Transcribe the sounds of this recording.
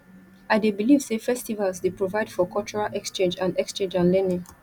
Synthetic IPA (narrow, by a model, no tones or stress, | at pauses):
aɪdebilivsefɛstivalsdepɹovaɪd̥fɔkʰɔlt͡ʃɔɹalʔɛkst͡ʃẽnd͡ʒãndɛkst͡ʃẽnd͡ʒãnlɛnĩŋ